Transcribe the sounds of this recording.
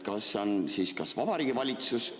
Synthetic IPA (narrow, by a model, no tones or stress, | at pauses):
kɑsonsiːskɑsvɑb̥ɑɾiːɡivɑlʲit̪sus